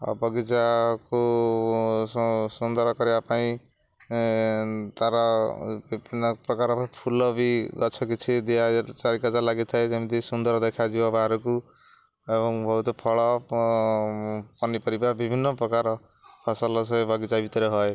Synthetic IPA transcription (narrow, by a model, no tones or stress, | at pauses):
ɔ̰bʌɡit͡ʃako | sund̪ʌɾkʌɾeapãĩ | t̪aɾabibʱinːʌprʌkaɾapapʰulʌbiɡʌt͡sʰʌkit͡ʃʰid̪iat͡saɾikad͡zalaɡit̪ʰaet̪emit̪isund̪ʌɾd̪ekʰad͡ʒiwabaɾuku | ebɔŋbʱʌɦut̪ɔpʰɔɭɔ | pʌnipʌɾibabibʱinːʌpɾɔkaɾ | pʰʌsalɔs̬ʌbʱʌɡit͡sabit̪ɔɾeɦɔe